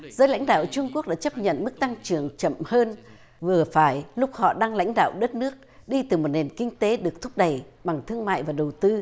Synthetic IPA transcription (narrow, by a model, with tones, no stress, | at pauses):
zəː˨˦jla̰˧˥jŋ̟ɗa̰ː˧˨wt͡ɕʊ˧ŋ͡mkək̚ɗa̰ː˧˥t͡ɕə˦˥p̚ɲə̰˧˨nmɨ˦˥k̚t̪a˧ŋt͡ɕɨ˨˩əŋt͡ɕə̰˧˨mhəː˧n | vɨ˨˩əfaː˧˩jlʊ˦˥k͡p̚hɔ̰˧˨ɗaː˧ŋla̰˧˥jŋ̟ɗa̰ː˧˨wɗə˦˥t̚nɨ˦˥ək̚ɗi˧t̪ɨ˨˩mo˨˩t̚ne˨˩nkï˧ŋ̟t̪e˨˦ɗɨ˨˩ək̚t̪ʰʊ˦˥k͡p̚ɗə˨˩j | ɓa˨˩ŋt̪ʰɨ˧əŋma̰ː˧˨jvaː˨˩ɗə˨˩wt̪ɨ˧